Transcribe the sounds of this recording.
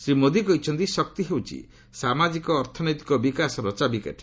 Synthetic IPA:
sɾimod̪ikɔɦit͡ʃʰɔnt̪isɔk̚t̪iɦewt͡ʃʰḭ | samad͡ʒikɔːɾt̪ʰɔnɔjt̪i̥kɔbikasɔɾɔt͡ʃabikḛʈ

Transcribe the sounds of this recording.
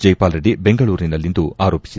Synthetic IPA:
d͡ʒɐjpaːlɾeɽibeŋɡɐɭuːɾinɐlːind̪uaːɾo̞ːpi̥si

